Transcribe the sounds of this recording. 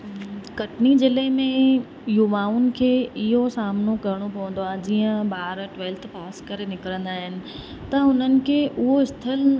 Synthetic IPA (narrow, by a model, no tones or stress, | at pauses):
kɐʈnid͡ʑɪlemẽ | juʋaːʊnɪ̆kʰeːɪɦosaːmnokɐɾɪɽ̃opɐʋə̃n̆d̪oaːɦd͡ʑiːə̃baːɾʈʋeːlt̪ʰpaːskɐɾenɪkɾə̃nd̪aːɦɪnɪ̆ | t̪ɐʊn̤ənɪ̆kʰeːʔʊɦoɪst̪ʰɪl